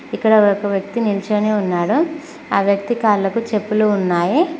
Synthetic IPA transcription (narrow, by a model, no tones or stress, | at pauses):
ikːɐɽɐɔkɐʋjɐk̚t̪inilt͡ʃeːneːunːaːɽu | aːʋjɐk̚t̪ikaːɾlɐkut͡ʃe̞pːuluunːaːji